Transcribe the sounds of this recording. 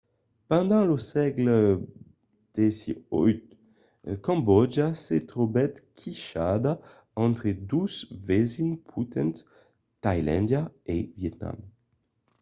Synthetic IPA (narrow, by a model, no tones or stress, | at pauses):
pãnd̪ãlosɛɡl | d̪̥ɛsiɔ̰jt̪ | kɑ̃mbɔd͡ʒaset̪ɾobɛt̪kʰiʃad̪a | ɑ̃nt̪ɾed̪uzvɛzinpʰut̪ɛ̃nt̪ | t̪ajlɛ̰̃nd̪jaevjɛt̪na̰m